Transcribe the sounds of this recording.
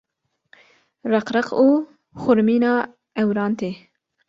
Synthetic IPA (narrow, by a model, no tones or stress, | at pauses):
ɾɐqɾəquː | xʊɾmiːnɑː | ɛwɾɑːnt̪e